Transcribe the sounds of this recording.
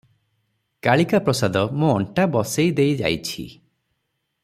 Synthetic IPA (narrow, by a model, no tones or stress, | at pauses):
kaɭikapɾɔsad̪ɔmũːɳʈabɔsejd̪ejd͡ʒa̰jt͡ʃʰḭ